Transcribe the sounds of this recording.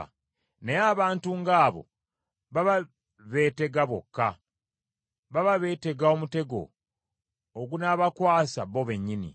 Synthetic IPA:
neaːβaːntuŋɡaːβo̞̰ | βaβa | βe̞ːte̞ɡaβokːa | βaβaβe̞ːte̞ɡao̞mute̞ɡo̞̰ | ɡunaβakwaːsaβo̞βe̞ɲːinḭ

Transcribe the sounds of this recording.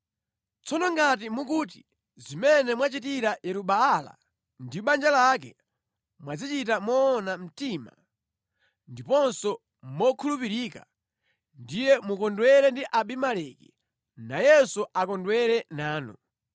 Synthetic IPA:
t͡sɔnɔŋɡat̬imukuːt̬i | zimɛnɛmwat͡ʃitiɾajɛɾuɓaːla̰ | ndiuɓand͡ʒalakɛ | mwad͡zit͡ʃitamɔːnam̩tima̰ | ndipɔnsɔ | mɔkʰulupiɾiːka | ndijɛmukɔndwɛɾɛndiʔaɓimalɛkḭ | najɛsuʔakɔndwɛɾɛnaːnɔ

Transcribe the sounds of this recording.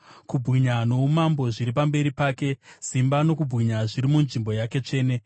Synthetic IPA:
kubʱɣiɲano̞umambo̞ʐiɾipambe̞ɾipaːke̞simbano̞kubʱɣiɲaʐiɾimunʐimbo̞jake̞t͡ʂe̞ːne̞

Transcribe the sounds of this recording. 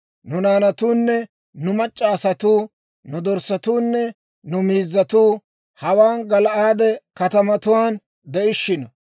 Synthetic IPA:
nʊnaːnɐt̪uːnːɛ | nʊmɐt͡ʃʼːaːsɐt̪uː | nʊd̪ɔɾsɐt̪uːnːɛ | nʊmiːzːɐt̪uː | hɐwaːnɡɐlʔaːd̪ɛkɐt̪ɐmɐt̪ʊwaːn | d̪ɛʔɪʃːɪnɐ

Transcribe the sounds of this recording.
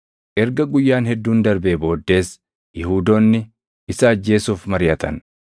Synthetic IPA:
ʔɛɾɡɐɡʊjːaːnhɛd̪ːuːnd̪ɐɾbe̞ːbo̞ːd̪ːe̞ːs | jɛhuːd̪o̞ːnːɪ | ɪsɐːd͡ʒːe̞ːsuːfmɐɾɪjɐt̪ʰɐ̰n

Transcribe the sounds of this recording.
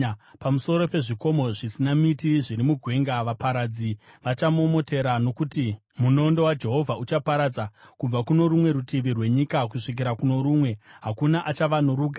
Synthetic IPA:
pamuso̞ɾo̞pe̞ʐiko̞mo̞ʐisinamitiʐiɾimuɡʱwe̞ŋɡaʋapaɾad͡zi | ʋat͡ʃamuomo̞te̞ɾano̞kuti | muno̞ndo̞wad͡ʒe̞ɦo̞vʱaut͡ʃapaɾad͡zakub͡vakuno̞ɾumwe̞ɾutiʋirwe̞ɲikakuʂik̬iɾakuno̞ɾumwe̞ɦakunaʔat͡ʃaʋanoɾuːɡʱa

